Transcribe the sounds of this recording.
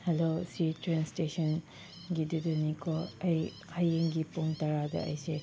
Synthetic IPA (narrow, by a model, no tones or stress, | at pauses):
helositɾɛnstesɔn | ɡidudɐnikʰɔɐj | hajeŋɡipoŋtaɾadɐ̰ɐ̰jse